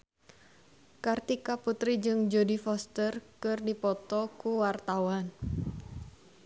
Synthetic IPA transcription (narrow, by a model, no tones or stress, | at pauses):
kart̪ikaput̪ɾid͡ʒɨŋd͡ʒodifɔst̪ərkɨrdipɔt̪ɔkuwart̪awan